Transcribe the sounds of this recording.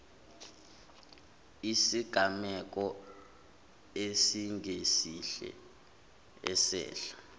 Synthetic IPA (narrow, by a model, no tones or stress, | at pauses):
isiɡ̥ʱamɛk̬ʼɔ | esiŋʱesiɬɛ̰ | ɛsɛ̰ːɬḁ